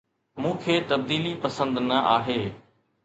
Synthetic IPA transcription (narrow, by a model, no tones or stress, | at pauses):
mũːkʰeːt̪ɐb̚d̪iːlipɐsə̃nd̪nɐʔaːɦeː